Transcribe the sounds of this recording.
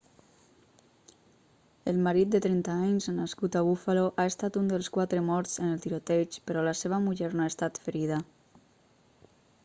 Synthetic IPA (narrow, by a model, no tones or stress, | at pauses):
əlmaɾit̪̚d̪ət̪ɾɛnt̪aaɲznaskut̪aβufaloʔaest̪at̪und̪əlˠskwat̪ɾəmɔɾt͡sənəlˠt̪iɾot̪et͡ʃpəɾɔlaseβamuʎɛɾnoaest̪at̪fəɾiða